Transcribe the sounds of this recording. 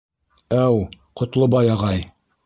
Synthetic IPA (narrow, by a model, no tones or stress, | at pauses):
æwqŏt̪lˠobɑjɑʁɑj